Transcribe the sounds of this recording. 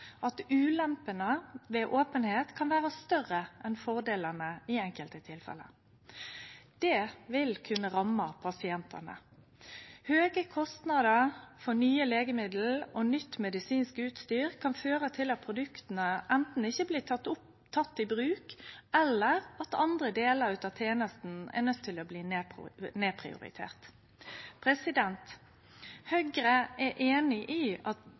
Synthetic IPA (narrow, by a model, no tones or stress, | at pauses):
ʔɑt̪ʉːlɛmpənəʋeːʔoːpənheːt̪kʰɑnʋæːʁəst̪œʁəʔɛnfɔʁd̪eːlənəɪɛŋkəlt̪ət̪ʰɪlfɛ̰lə̰ | d̪̥ɛːʋɪlkʰʉnːəʁɑmːɑpʰɑsɪɛnt̪ʰɑ̰nə̰ | høːɡəkʰɔst̪nɑd̪əʁfɔnyːəleːɡəmɪd̪l̩onʏt̪ːmɛd̪ɪsiːnskəʉːt̪st̪yːʁkʰɑnføːɾət̪ʰɪlɑt̪̚pʰʁʊd̪ʉkt̪ən̩əʔɛnt̪n̩ɪçːəbliːɑt̪ʊ | t̪ʰɑt̪ːɪbɾʉːkɛlːəʁɑt̪ɑnd̪ɾəd̪eːləɾʉt̪ɑt̪ʰeːnəst̪n̩æ̰nœt̪ʰːɪlɔbliːnneːpʰɾɪ̰ʊ̰ɾɪ̰t̪ʰḛːʁt̪ | pʰɾɛsɪd̪ɛnt̪ | hœɡɾəʔɛʔeːnɪʔiːɑt̪